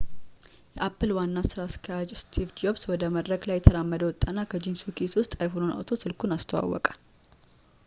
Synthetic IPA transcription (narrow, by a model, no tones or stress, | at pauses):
jɛʔapʰːɨlwanːasɨɾaskʰəjad͡ʒst̪ʰivd͡ʒobswɔd̪əməd̪ɾəklajːɛt̪ʰəɾamːəd̪əwɔt̪ʼːanːakʰəd͡ʒinsukʰeswʊst̪ʼajɦonona̰wt̪ʰo̞sɨlkʰunast̪ʰəwa̰wːɔ̰kʼḁ